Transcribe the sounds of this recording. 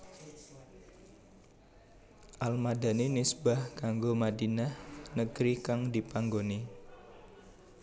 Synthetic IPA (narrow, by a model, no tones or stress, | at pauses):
ʔalmadanenisbahkaŋɡomadinahnəɡ̥ɾikaŋdipaŋɡoni